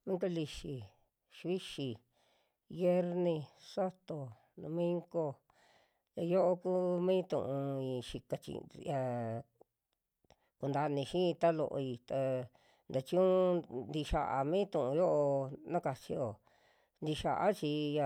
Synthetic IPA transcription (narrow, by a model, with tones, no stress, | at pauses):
mĩ˦ka˦li˧ʃi˧ | ʃβi˦ʃi˧ | βje˦ɾnĩ˧sa˦t̪o˨ | nõ˧mĩ˦ŋɡo˧ | ja˧jo˦ʔo˧kuː˦mĩː˦t̪ṵ̃˨ʔũ˧i˧ʃi˧ka˧t͡ʃḭ˧ja˧ | ku˧nd̪a˧nĩ˧ʃĩ˦˧t̪a˦lo̰˧ʔo̰˧i˧t̪a˧ | nd̪a˧t͡ʃũ˦nd̪i˧ʃa˧ʔa˧mĩ˦t̪ũ˨ʔũ˧jo˦ʔo˧nã˦ka˨t͡ʃi˧o˨ | nd̪i˧ʃa̰˨ʔa̰˦t͡ʃi˧ja˧